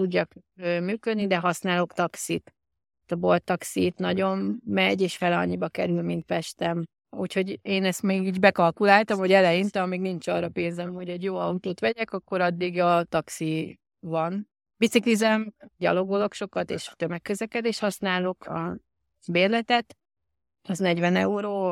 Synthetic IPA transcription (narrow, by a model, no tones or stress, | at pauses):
t̪uɟːɒkømyːkø̞d̪nid̪ɛɦɒsnaːlo̞kt̪ɒksit̪ː | t̪ɒbolt̪ːɒksit̪nɒɟo̞nːɛɟeːʃfɛlɒ̰ɲːibɒkɛɾylmint̪fɛʃt̪ɛm | ucho̞ɟeːnɛst̪meːɡiːɟbɛkɒlkulaːlt̪ɒmho̞ɟɛlɛjint̪ɛɒmiːɡnint͡ʃɒːrːɒpeːnzɛmho̞ɟɛɟjoːɒut̪oːt̪ʋɛɟɛkɒkːo̞ɾɒd̪ːiɡɒt̪ɒksi | vɒn | bit̪siklizɛmɟɒ̰lo̞ɡolo̞kʃo̞kɒt̪ḛːʃt̪ømɛkːøzɛkɛd̪eːʃhɒsnaːlo̞kɒ | beːrlɛt̪ɛt̪ | ɒznɛɟʋɛnɛ̰uɾoː